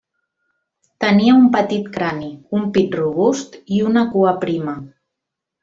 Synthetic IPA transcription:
t̪əniəumpət̪it̪kɾaniumpit̪ruβ̞ust̪iunəkuəpɾimə

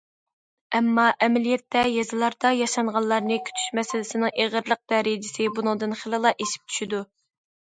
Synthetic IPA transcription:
ɛmːɑʔɛmɛlijɛt̪ːɛjɛzɨlˠɑɾd̪̥ɑjɑʃɑɴʁɑnllːˠɑɾnɨkʲʰy̥t̪ʰy̥ʃmɛsɪlɪsɪnɪŋʔeʁəɾlˠəq̚d̪ɛɾɪd͡ʒɪsɪbunɨŋd̪ɨnχəlˠɨlˠɑʔeʃi̥p̚t̪ʰy̥ʃid̪u

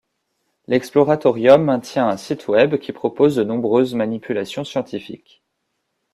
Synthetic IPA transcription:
lɛksplɔʁat̪ɔʁjɔmːɛ̃t̪jɛ̃ɛ̃sit̪ʰwɛbkʲipχɔpozd̪ənɔ̃bʁøzmanipʰylasjɔ̃sjɑ̃t̪ifḭkʲ

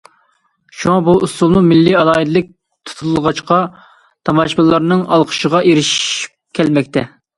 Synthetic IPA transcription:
ʃuŋɑbuʔusulˠmumɪlːiɑlˠɑːid̪ɨlˠɨk̚ʲ | t̪ʰu̥t̪ʰullˠʁɑt͡ʃqɑ | t̪ʰɑmɑʃbɨlˠːɑɾnɨŋɑlˠqʰə̥ʃəʁɑʔeɾɪʃi̥p̚kʲʰɛlmɛk̚ʲt̪ʰɛ

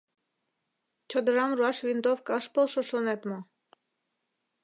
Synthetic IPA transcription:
t͡ɕod̪əɾɑmruɑʃvʲind̪ofkɑəʃpolˠʃoʃonet̪mo

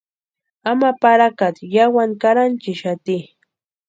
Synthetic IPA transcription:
amapaɾakat̪jawaŋkaɾant͡ʃɪʃat̪i

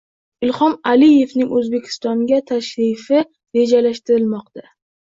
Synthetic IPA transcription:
ɪlhɒmalije̞fnɪŋʔɵzbe̞kʲʰɪ̥st̪ɒŋɡʲat̪ʰaʃɾɪfɪ | ɾe̞d͡ʒalaʃt̪ɪɾɪlmɒq̚t̪a

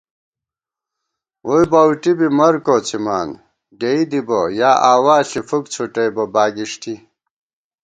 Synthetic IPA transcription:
ujbɐwʈibimɐɾkot͡sʰimaːn | ɡeid̪ibɐjaːʔaːwaːɬifukt͡sʰuʈejbɐbaːɡiʂti

